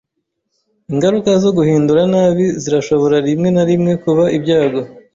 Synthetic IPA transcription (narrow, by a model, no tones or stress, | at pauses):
iŋɡaɾukazo̞ɡuhiːnduɾanaːβiziɾaʃo̞βo̞ɾaɾimŋe̞naɾimŋe̞kuβaʔibɟaːɡo̞